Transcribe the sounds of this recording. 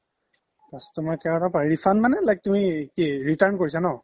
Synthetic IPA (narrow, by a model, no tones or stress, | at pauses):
astɔmɔkɛɹatapaɹifʰanmanɛlajk̚tumikiɹitaɹnkoɹisanɔ